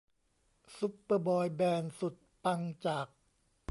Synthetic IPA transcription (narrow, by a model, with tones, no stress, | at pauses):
su˦˥pːɤː˧bɔː˧jbɛː˧nsu˨˩t̪̚pa˧ŋt͡ɕaː˨˩k̚